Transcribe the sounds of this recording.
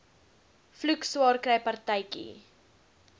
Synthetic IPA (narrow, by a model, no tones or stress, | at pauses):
flʉkswɑːrkɾɛjpɐrtɛjkḭ